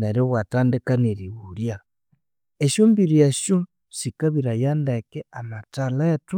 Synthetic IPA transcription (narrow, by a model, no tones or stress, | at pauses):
naɾoβwataːndekaneɾiβuɾja | eʃoːmbiɾieʃo | sikaβiɾajandekeanataletu